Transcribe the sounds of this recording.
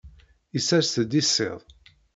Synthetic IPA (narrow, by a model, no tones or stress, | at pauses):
isæst̪d̪isːɪ̰ðˤ